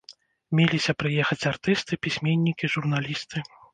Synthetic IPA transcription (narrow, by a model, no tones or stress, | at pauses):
mʲelʲisʲɐpɾɨjɛxɐt͡sʲart̪ɨst̪ɨpʲisʲmʲenʲːikʲiʐurn̪alʲist̪ɨ